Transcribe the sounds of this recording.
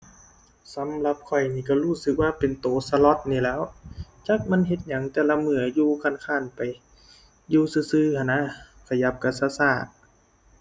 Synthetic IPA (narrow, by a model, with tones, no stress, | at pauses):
sa˨˦mla˧p̚kʰɔ˨˩jniː˧˩ka˧˩huː˧˩sɯ˧˦k̚waː˧˨pe˨nt̪oː˨˩sa˧lɔ˧˦t̪̚niː˧˩lɛː˦˧˥wt͡ɕa˧˥k̚ma˧˥˨nɦe˧t̪̚ɲa˨˦ŋt̪ɛː˧˩la˧mɯ˧˩ɐjuː˧kʰa˧˥˨nkʰaː˧˥˩npa˨˩j | juː˧sɯː˧˩sɯː˧˨kʰa˧˨na˧˥ | kʰa˧˩ja˧˦p̚ka˧˩saː˧saː˧˩t̪̚